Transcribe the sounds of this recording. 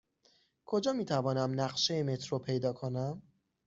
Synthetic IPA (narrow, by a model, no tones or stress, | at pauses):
kʰo̞d͡ʒɒːmiːt̪ʰævɒːnæmnæɢʃejeme̞t̪ʰɾopʰe̞jd̪ɒːkʰonæm